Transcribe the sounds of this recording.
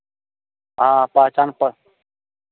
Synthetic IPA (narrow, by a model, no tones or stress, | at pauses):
aːpaːt͡ʃanpə